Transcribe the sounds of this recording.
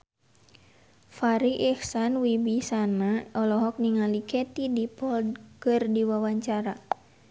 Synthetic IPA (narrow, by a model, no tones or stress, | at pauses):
faɾiʔɛhsanwibisanaɔlɔɦɔk̚niŋalikɛt̪idipɔldkɨrdiwawaɲt͡ʃaɾa